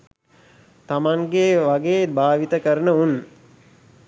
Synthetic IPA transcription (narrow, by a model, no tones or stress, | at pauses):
t̪amaŋɡeːʋaɡeːbʱaːʋit̪əkəɾənəun